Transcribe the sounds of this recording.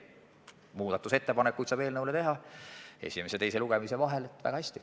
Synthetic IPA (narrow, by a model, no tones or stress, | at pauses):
muːd̪̥ɑt̪ːuse̞t̪ːe̞pɑnekːujt̪sɑːb̥eːlnɤwlet̪e̞ɦɑe̞̰sʲime̞set̪e̞jse̞luɡ̥emise̞vɑɦelet̪ːˑvæ̰ɡɑhæsʲt̪i̥